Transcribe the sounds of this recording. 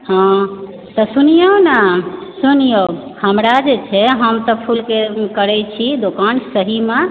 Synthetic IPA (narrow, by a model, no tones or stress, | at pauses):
hã | t̪ɔsunijonasunijohəmɾad͡ʒet͡ʃʰɛɦəmt̪ɔpʰulkekəɾɛt͡ʃʰid̪okansəɦime